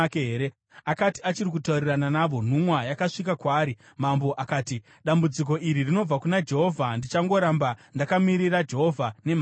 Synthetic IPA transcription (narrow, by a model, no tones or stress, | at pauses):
keɦeːɾe | akatiat͡ʃirik̬utaurirananaʋo̞n̤umwajakaʂikakwaːɾi | mambo̞ʔakaːti | ɗambud͡zik̬o̞ʔiɾirino̞b͡vakunad͡ʒe̞ɦo̞vʱandit͡ʃaŋɡo̞ɾambandakamiɾirad͡ʒe̞ɦo̞vʱane̞ma